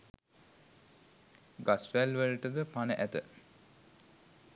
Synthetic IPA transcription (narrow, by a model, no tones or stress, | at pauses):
ɡasʋælʋələʈəd̪əpanəʔæt̪ə